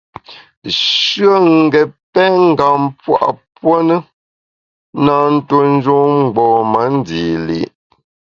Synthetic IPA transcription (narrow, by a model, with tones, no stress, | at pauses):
ʃɰə˦˨ŋ̩˨ɡɛ˨pɛ˦ŋ̩˦˨ɡa˨mpwa̰˦˨ʔpwo˦nə˦ | na˦˨n̩˦to˦n̩˦d͡ʒo˦ŋ͡m̩˨ɡ͡bɔː˨mə˨˦n˦di˨lḭ˨ʔ